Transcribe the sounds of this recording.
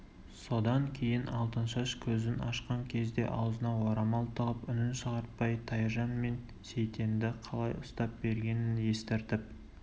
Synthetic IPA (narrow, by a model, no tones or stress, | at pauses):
so̞d̪ɑŋkʲʰe̞jɪnɑlˠt̪ənʃəəʃkʲʰɵzɪnɑʃqɑŋkʲʰe̞zd̪e̞̰ʔɑwzənɑwoɾɑmɑlˠt̪ʰəʁəpʏnɪnʃəʁɑɾt̪̚pɑjt̪ʰɑjʒɑnme̞n | se̞jt̪e̞nd̪ɪqʰɑlˠɑjʊst̪ɑp̚be̞ɾɡʲe̞nɪnje̞st̪eɾt̪ɪp̚